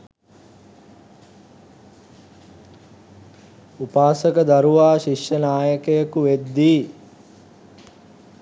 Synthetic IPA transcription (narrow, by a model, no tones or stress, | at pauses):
upaːsəkəd̪aɾuʋaːʃiʃjənaːjəkəjəkuʋed̪ːiː